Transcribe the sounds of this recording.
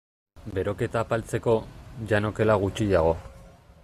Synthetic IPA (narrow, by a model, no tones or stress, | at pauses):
be̞ɾo̞ke̞t̪aːpalt͡se̞ko̞ʝano̞ke̞laɣ̞ut͡ʃiʝaɣ̞o̞